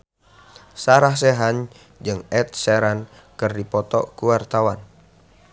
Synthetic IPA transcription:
saɾahs̬ɛɦaɲ | d͡ʒɨŋɛt̪̚sɛɾan | kɨrdipɔt̪ɔ̰kuwart̪awan

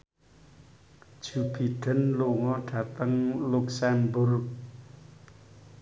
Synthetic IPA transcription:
d͡ʒ̥ub̥i̤ɖ̥ə̤nluŋɔɖ̥ä̤t̪əŋluksɛmbʊrk̚

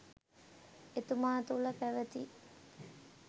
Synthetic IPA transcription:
et̪umaːt̪ulɐpæʋət̪i

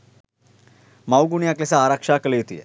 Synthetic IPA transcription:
mawɡuɳijãklesaːɾakʂakəlejt̪ḭjḛ

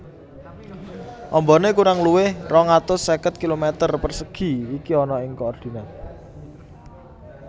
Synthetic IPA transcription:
ʔɔmbɔ̤nekuɾaŋluwɪhrɔŋat̪ʊsːekət̪̚kilomet̪ərpərsəɡ̥i̤ikiɔnɔɪŋkoɔrd̪̥i̤na

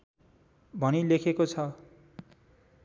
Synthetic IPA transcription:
bʱʌnilekʰekot͡sʰʌ

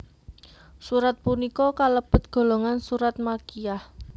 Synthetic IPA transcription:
suɾat̪̚punikɔkaləb̥ʊt̪̚ɡ̥o̤loŋansuɾat̪̚makijah

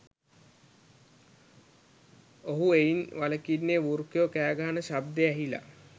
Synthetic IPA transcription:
oɦueinʋaləkinːeʋuɾkjokæːɡaɦanəʃab̚d̪eæɦila̰

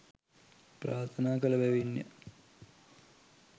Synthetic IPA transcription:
pɾaːɾt̪ʰɐnaːkɐlɐʋeʋinjɐ̰

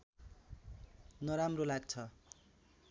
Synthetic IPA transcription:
nʌɾamrolaɡt͡sʰʌ

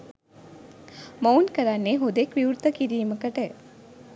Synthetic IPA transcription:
mownkəɾanːeɦod̪ekʋiwɾt̪əkiɾiːməkəʈə

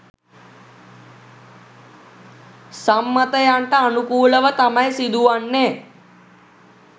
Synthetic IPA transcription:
samːət̪əjaɳʈaːnukuːləʋət̪amajsid̪uaɳːe

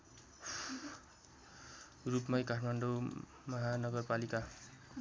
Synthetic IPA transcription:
rupmʌjkaʈʰmaɳɖo | mʌɦanʌɡʌrpalika

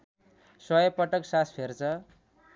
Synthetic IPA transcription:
sʌjʌpʌʈʌksaspʰert͡sʰʌ

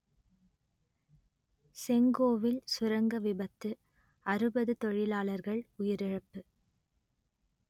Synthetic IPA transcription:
sɛŋɡoːʋɪlsʊɾɐŋɡɐʋɪbɐt̪ːɯ | ɐɾɯbɐðɯt̪ɔɻɪlaːlɐɾɣɐɭʊjɪɾɪɻɐpːɯ

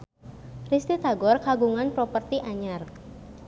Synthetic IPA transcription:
rist̪it̪aɡɔrkaɡuŋanpɾɔpərt̪iʔaɲar

